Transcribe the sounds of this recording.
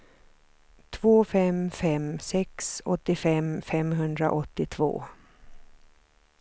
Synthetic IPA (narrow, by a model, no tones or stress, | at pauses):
t̪ʰvoːfɛmfɛmsɛksɔt̪ːɪfɛmfɛmɦɵnd̪ɾa̰ʔɔt̪ːɪt̪ʰvo̰ː